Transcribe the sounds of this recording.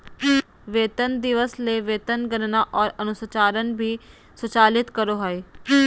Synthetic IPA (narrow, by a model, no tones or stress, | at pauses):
ʋeːt̪ənd̪ɪʋəsleʋeːt̪ənɡənnaːʔɔːɾənʊsət͡ʃaːɾənbʱiː | sʊt͡ʃaːlɪt̪kəɾoɦɔeː